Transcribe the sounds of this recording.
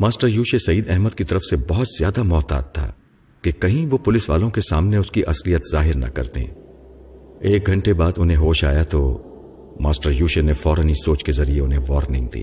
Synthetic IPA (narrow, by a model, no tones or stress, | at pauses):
maːsʈəɾjuːʃesɐiːd̪ɛɦməd̪̚kit̪ɐɾəfsebɔɦʊt̪z̥jaːd̪amɔːt̪a̰ːt̪ʰːa̰ː | kekɐɦĩʋopʊlɪsʋa̰ːlõkesaːmneʊskiʔɐslijət̪zaːɦɪɾnɐ̰kɐ̰ɾt̪ḛ̃ː | eːk̚ɡʱɐ̃ɳʈebaːd̪ʊnɦẽɦoːʃa̰ːjat̪o | maːsʈəɾjuːʃenefɔːɾənisoːt͡ʃkezɐɾieʊnɦẽʋɔːɾnɪ̃ŋɡ̚d̪ḭː